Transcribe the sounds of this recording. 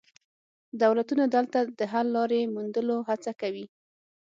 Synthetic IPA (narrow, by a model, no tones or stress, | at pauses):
d̪awlat̪unad̪əlt̪ad̪əɦalːɑɾemund̪əloɦat͡sakawi